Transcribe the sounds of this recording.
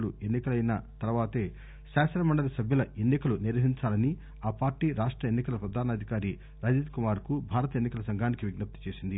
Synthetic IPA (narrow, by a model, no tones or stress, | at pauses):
lue̞nːikɐlɐjnɐt̪ɐɾɐʋaːt̪e̞ː | ʃaːsɐnɐmɐɳɖɐlɐsɐbʱjɐlɐe̞nːikɐluniɾʋɐɦiɲt͡ʃaːlɐni | aːpaːɾʈiɾaːʂʈɾɐenːikɐlɐpɾɐd̪ʱaːnɐd̪ʱikaːɾi | ɾaːd͡ʒiːd̪kumaːɾkubʱaːɾɐt̪ɐenːikɐlɐsɐŋɡʱaːnikiʋiɡnɐp̚t̪i̥t͡ʃe̞ːsind̪i